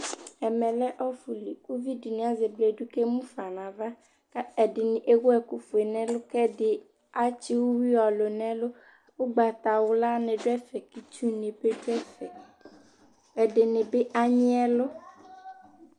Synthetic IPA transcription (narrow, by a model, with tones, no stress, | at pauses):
ɛ˨mɛ̃˨lɛ˦ʔɔ˦fu˨li˨ku˦vi˦di˨nĩ˨˦a˨ze˨ble˨ɖu˦ke˦mũ˦fa˨nã˨va˦ | ka˦ɛ˨ɖɪ˨nɪ̃˨ʔe˦wo˦ɛ˨ku˦fu˨e˨nɛ̃˦lʊ˦kɛ˦dɪ˨ | a˦t͡ɕi˦wu˦wi˦ɔ˨lo˨nɛ̃˦lo˦ | wo˦ɡ͡ba˨t̪a˨wo˦la˦nɛ̃˨ɖʊ˦ɛ˦fɛ˨ki˨t͡ʃu˦nĩ˨be˦ɖo˦ɛ˦fɛ˨ | ɛ˨dɪ˨nɪ̃˨be˦ʔa˦ɲĩ˦ɛ˦lo˦